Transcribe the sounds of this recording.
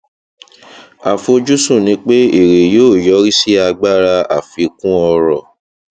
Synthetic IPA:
a˨fo˧d͡ʒu˦sũ˦˨nĩ˧˦k͡pe˦e˦˨ɾe˨joː˦˨jɔ˨˦ɾi˦si˦a˧ɡ͡ba˦˨ɾa˧a˨fi˧˦kũ˦ɔ˧ɾɔ˦˨

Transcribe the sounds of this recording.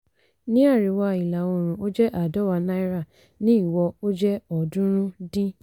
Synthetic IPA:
nĩ˦a˦˨ɾi˨wa˧˨i˨la˨o˧˨ɾ̃ũ˨o˦d͡ʒɛ˦ʔa˨dɔ˨˦wa˧nã˦i˦ɾa˦˨ | nĩ˦i˦˨wɔ˧o˦d͡ʒɛ˦ɔ˨dũ˦ɾ̃ũ˦dĩ˦

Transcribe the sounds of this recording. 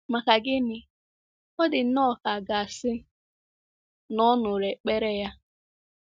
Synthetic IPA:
ma˨ka˨ɡɪ˦nɪ˨ | ɔ˦dɪ˨n̩˦nɔ˦˨ka˨ɡa˨a˨sɪ˦ | nɔ˦nʊ˨ɾe˨k͡pe˦ɾe˦ja˦

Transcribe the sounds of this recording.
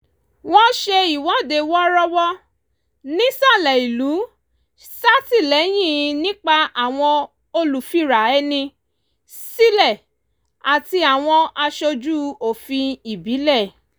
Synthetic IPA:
w̃ɔ̃˦ʃe˧i˨wɔ̃˨˦de˧wɔ˦ɾɔ˧wɔ˦ | nĩ˦sa˦˨lɛ˨i˨lu˨˦ | sa˦ti˦˨lɛ˨˦j̃ĩ˦˨˧nĩ˦k͡pa˧ʔa˨w̃ɔ̃˧ | o˧lu˨fi˦˨ɾa˨ɛ˧˦nĩ˧ | si˦lɛ˦˨ | a˨ti˧a˨w̃ɔ̃˧a˧ʃo˧d͡ʒu˦o˨fĩ˧i˨bi˨˦lɛ˦˨

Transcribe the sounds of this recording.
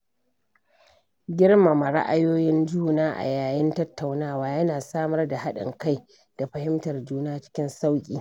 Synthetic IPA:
ɡʲɪ˦ɽma˨ma˨ɽa̰˦ʔa˦joː˦jɪ˦nd͡ʒuː˦naː˦ʔa̰˨jaː˨jɪ˦ntɐ˦tːa˨wnaː˦waː˨˦jɐ˦naː˨saː˦mɐ˦rda˨ha˦ɗɪ̰˨ŋka˦j | d̥a˨ɸɐ˨hɪ˦mtɐ˨rd͡ʒuː˦naː˦t͡ʃɪ̥˦kʲɪ˦nsa˦wkʲʼḭː˨

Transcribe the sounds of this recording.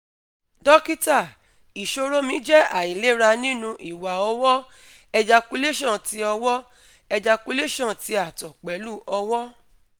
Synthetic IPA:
dɔ˦ki˦ta˦˨ | i˨ʃo˧ɾo˦mĩ˨˦d͡ʒɛ˦a˦˨i˨le˦ɾa˧nĩ˦nũ˧ʔi˨wa˨ɔ˧wɔ˦ | ɛ˧d͡ʒa˧ku˧˦le˦ʃɔ̃˦˨ti˧˦ɔ˧wɔ˦ | ɛ˧d͡ʒa˧ku˧˦le˦ʃɔ̃˦˨ti˧˦a˦˨tɔ˨k͡pɛ˨˦lu˦ʔɔ˧wɔ˦

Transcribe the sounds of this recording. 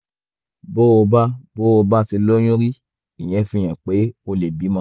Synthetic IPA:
bo˦o˧ba˦bo˦o˧ba˦ti˧lo˦j̃ũ˦ɾi˦ | i˨j̃ɛ̃˨˧˦fĩ˦˨j̃ɛ̃˨k͡pe˨˦o˧le˨bi˨˦mã˦

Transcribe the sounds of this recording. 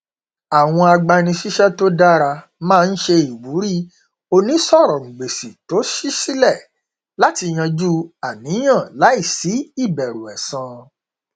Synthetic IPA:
a˨w̃ɔ̃˧a˧ɡ͡ba˧nĩ˧ʃi˦ʃɛ˦to˦da˦ɾa˧ | mãː˦˧n̩˦ʃe˧i˨wu˨˦ɾi˦˨ | o˧nĩ˨˦sɔ˦˨ɾɔ˨ŋ̩̃˨ɡ͡be˨si˨to˨˦ʃi˦si˦lɛ˦˨ | la˦ti˧j̃ã˧d͡ʒu˦a˨nĩ˨˦j̃ã˦˨la˨˦i˦˨si˨˦i˦˨bɛ˨ɾu˨ɛ˨sã˧

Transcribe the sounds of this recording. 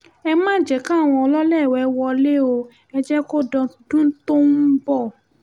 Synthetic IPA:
ɛ˧mãː˦˨d͡ʒɛ˨kã˦a˦˨w̃ɔ̃˧ɔ˧lɔ˦lɛ˦˨wɛ˨˦wɔ˧le˦o˧ | ɛ˧d͡ʒɛ˦ko˦dɔ̃˧˨dũ˦to˦nu˦bɔ˦˨

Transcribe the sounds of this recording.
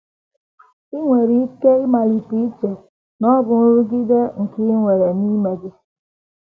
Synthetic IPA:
i˦ŋʷe˨ɾi˦ke˦i˦ma˨li˨pi˦t͡ʃe˨ | nɔ˦bʊ˨n˦ɾu˦ɡi˦de˦ŋ̩˨ki˦ŋʷe˨ɾe˨ni˦me˨ɡɪ˦

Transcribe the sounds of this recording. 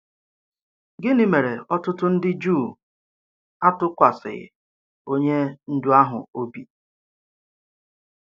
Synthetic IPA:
ɡɪ˦ni˨me˨ɾe˨ɔ˦tʊ˦tʊ˦n̩˦dɪ˦d͡ʒuː˦˨ | a˦tʊ˦kʷa˨sɪ̰˨ɣɪ̰˨ | o˦ɲe˦n̩˦dʊ˦a˦ɦʊ̰˨o˦bi˨

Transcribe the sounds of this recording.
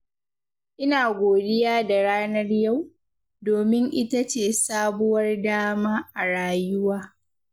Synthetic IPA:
ʔɪ˦naː˨ɡʷoː˨dɪ˦jaː˦da˨ɽaː˦nɐ˦rja˦˨w | doː˨mɪ˦ŋʔɪ˦ta˦t͡ʃeː˦˨saː˦bʊ˦wɐ˦rdaː˦maː˦ʔa˨ɽaː˦jʊ˦waː˦

